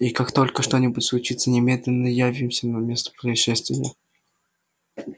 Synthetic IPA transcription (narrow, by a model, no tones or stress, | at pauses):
ikakt̪o̞lʲkəʂt̪o̞nʲɪbʊtʲslˠʊt͡ɕit̪sənʲɪmʲed̪ʲlʲɪnːəjavʲɪmsʲənəmʲe̞st̪ə̥pɾəɪʂɛst̪vʲɪnʲɪ̰